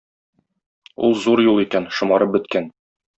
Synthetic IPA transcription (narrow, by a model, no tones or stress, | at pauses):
ṵlˠzuɾjulˠikænʃŏmɑɾɤp̚bɵ̆t̪kæn